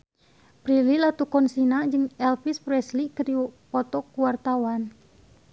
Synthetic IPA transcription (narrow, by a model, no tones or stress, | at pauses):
pɾililat̪ukɔnsinad͡ʒɨŋɛlfispɾɛslikədipɔt̪ɔkuwart̪awan